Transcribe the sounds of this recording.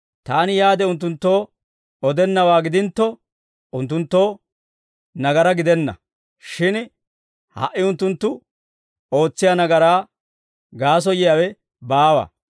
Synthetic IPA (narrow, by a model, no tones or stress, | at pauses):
t̪aːnɪjaːd̪ɛʊnt̪ːʊnt̪ːo̞ː | ɔd̪ɛnːɐwaːɡɪd̪ɪnt̪ːɔ | ʊnt̪ːʊnt̪ːo̞ː | nɐɡɐɾɐɡɪd̪ɛnːɐ̰ | ʃɪn | hɐ̰ʔːɪʊnt̪ːʊnt̪ːʊ | o̞ːt͡sːɪjɐnɐɡɐɾaː | ɡaːs̬ɔjɪjaːwɛ | baːwɐ̰